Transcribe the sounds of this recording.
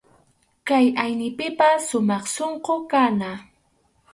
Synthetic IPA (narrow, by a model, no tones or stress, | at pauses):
kajajnɪpɪpasʊmɑχsoɴqokana